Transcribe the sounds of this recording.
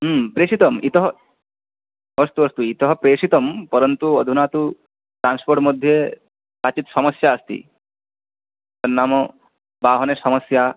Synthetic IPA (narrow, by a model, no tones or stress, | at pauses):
pɾeːʂit̪ɐmit̪ɔɦɔ | ɐst̪uɐst̪uit̪ɔɦɔpɾeːʂit̪ɐmpɔɾɐnt̪uɐd̪ʱunaːt̪u | ʈɾaːnspoːɾʈmɔd̪ʱːje | saːt͡ʃit̪sɐmɐsjaɐst̪ḭ | t̪ɐnːaːmɔ | baːɦnesɐmɐsja